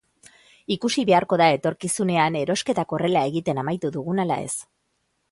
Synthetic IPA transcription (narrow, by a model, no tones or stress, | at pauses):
ikusiβe̞aɾko̞ðae̞t̪o̞ɾkisune̞ane̞ɾo̞ske̞t̪ako̞re̞lae̞ɣit̪e̞namajt̪uðuɣunala̰e̞̰s